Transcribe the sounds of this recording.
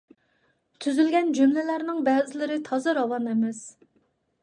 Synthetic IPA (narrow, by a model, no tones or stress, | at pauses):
t̪ʰyzylɡʲɛnd͡ʒymlɪlæɾnɪŋbɛːzɪlɪɾɪt̪ʰɑzɨɾɑwɑnemɛs